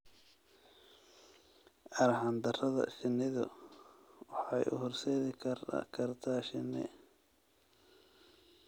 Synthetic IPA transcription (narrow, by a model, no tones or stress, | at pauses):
ʔɐɾhɑnd̪ɐrɐðɐ̰ʃɪnːɪðʊ̰ | wɑħɑjʔʊ̰hɔrsɛːðɪkʰɐr̰kʰɐrt̪ʰaːʃɪnːɪ̰